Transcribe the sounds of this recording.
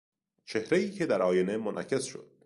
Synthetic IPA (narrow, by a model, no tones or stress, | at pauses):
t͡ʃʰe̞hɾejiːcʰe̞d̪æɾʔɒːjene̞monʔæ̰cʰe̞sʃo̰d̪̥